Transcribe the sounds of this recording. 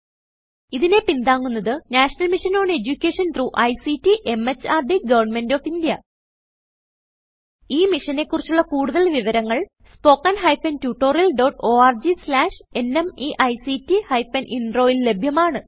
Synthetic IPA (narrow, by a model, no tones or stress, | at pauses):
iðine̞pind̪aːŋːunːɐðɨnaːʂɐnɐlmiʂɐnoːɳe̞d͡ʑukʲːe̞ːʂɐnt̪ruːʔɐjsitːiʔe̞met͡ɕːaːrɖiɡɐʋɐrnme̞ndoːfindjɐ | iːmiʂɐne̞kːurit͡ɕːuɭːɐkuːɽuðɐlʋiʋɐɾɐŋːɐɭ | spo̞ːkːɐnɦɐjfɐntjuːʈːo̞ːrijɐlɖo̞ːʈo̞ːaːrd͡ʑislaːʂe̞ne̞miʔɐjsitːihɐjfɐnʔinro̞ːjille̞bʱjɐmaːɳɨ